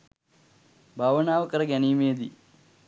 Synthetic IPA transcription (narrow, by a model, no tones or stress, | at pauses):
bʱaʋɐnaːʋɐkɐɾɐɡɐniːmeːd̪ḭ